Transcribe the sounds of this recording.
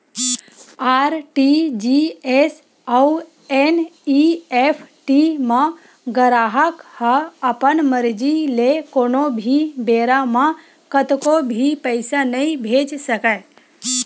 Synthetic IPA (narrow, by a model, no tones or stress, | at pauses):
aːɾʈid͡ʒies | au | eniepʰʈimã | ɡəɾaːɦəkhəəpənməɾd͡ʒilekoːnobʱibeːɾamã | kət̪kobʱipəɪsanəĩbʱeːd͡ʒsəka